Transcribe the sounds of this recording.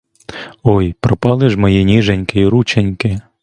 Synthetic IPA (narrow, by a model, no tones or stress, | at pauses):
ɔjpɾɔpɑlˠɪʒmɔjinʲiʒenʲkɪiɾut͡ʃenʲkɪ